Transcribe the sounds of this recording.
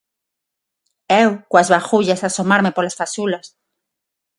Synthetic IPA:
ewkwazβaxuʎasasomaɾmepolasfasulas

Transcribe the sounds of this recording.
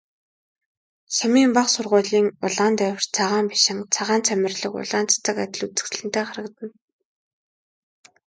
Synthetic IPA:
samiːmpaχsʊrʁʊːɮiːŋʊɮaːnt̪æw̆ʲrt͡sʰaʁaːmpi̥ʃɪ̆ŋt͡sʰaʁaːnt͡sʰæmʲɪ̆rɮə̆kʊ̰ɮaːnt͡sḁt͡sə̆kat̪ʲɪ̆ɮut͡sɘ̆t͡ɕɮɘ̆nt̪eːχaɾə̆kt̪ə̆n

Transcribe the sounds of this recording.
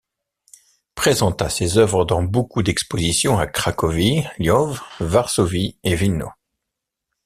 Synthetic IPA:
pχezɑ̃t̪asezœvʁəd̪ɑ̃bokud̪ɛkspozisjɔ̃akχakɔviljɔvvaʁsovievino̰

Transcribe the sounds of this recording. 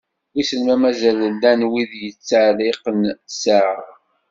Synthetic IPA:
wisəlmæmæzællːænwiðjət͡sːəʕlɪqənsa

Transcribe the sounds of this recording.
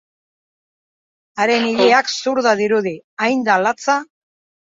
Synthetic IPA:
aɾe̞nilɾiaksuɾðaðiɾuðiajnd̪alat͡sa

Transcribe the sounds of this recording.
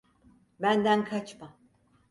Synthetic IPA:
bænd̪ænkʰat͡ʃma

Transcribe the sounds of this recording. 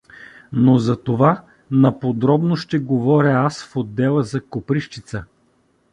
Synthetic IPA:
nozɐt̪ova | nɐpod̪ɾɔbnoʃt̪ɛɡovɔɾʲəasfod̪ːɛlˠəzɐkopɾiʃt͡ʃit̪sə

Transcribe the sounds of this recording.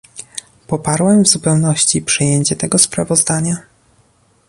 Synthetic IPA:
pɔpaɾwɛmvzupɛwnɔɕt͡ɕipʂɘjeɲt͡ɕɛt̪ɛɡɔspɾavɔzd̪aɲa

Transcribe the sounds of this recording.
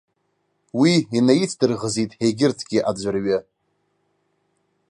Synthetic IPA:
wiinajit͡sʰdɨrʁəzitʼhejɡʲɪrtʰɡʲɪʔad͡ʒʷarɥa

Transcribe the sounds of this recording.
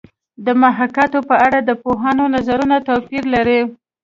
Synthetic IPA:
d̪əmaɦakat̪opəaɽad̪əpoɦanonazaɾunat̪apiɾlaɾe

